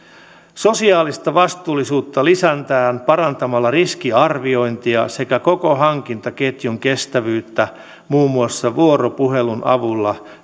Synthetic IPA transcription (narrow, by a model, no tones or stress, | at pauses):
so̞siɑːlist̪ɑʋɑst̪uːlːisuːt̪ːɑlisænt̪æːmpɑɾɑnt̪ɑmɑlːɑrisk̟iɑrʋio̞jnt̪iɑse̞kæko̞ko̞ɦɑŋk̟int̪ɑke̞t̪juŋke̞st̪æʋyːt̪ːæ | muːmːuɑsːɑʋuo̞ɾo̞puɦe̞lunɑ̰ʋulːɑ